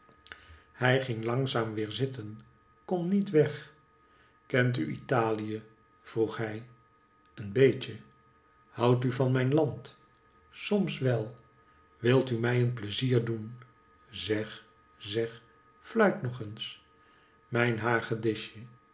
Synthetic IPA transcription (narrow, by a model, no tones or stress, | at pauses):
hɛjχɪŋlɑŋzaːmʋɪːɹzɪtən | kɔmnitʋɛχ | kɛnt̬y̰ḭtaːlijə | v̥ruχɦɛj | ənbejcə | hɑwtyvɑnmɛjnlɑnt | sɔmsʋɛlˠ | ʋɪlˠtymɛjənpləziːɹdun | zɛχ | zɛχ | flœɥtnɔχəns | mɛjnɦaːχədɪʃə